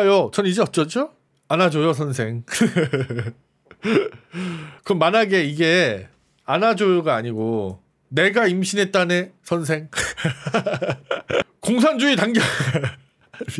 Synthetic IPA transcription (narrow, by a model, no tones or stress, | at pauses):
ajot͡ɕʌnid͡ʑeʌt̚t͡ɕ͈ʌt͡ɕ͈o | anad͡ʑojosʰʌns̬ʰe̞ŋ | kɯɾʌmːanaɡe̞iɡe̞ | anad͡ʑojoɡaːɲiɡo | ne̞ɡaimɕʰinɦe̞t̚t͈ane̞sʰʌns̬ʰe̞ŋ | koŋs̬ʰand͡ʑuitaŋɡjʌ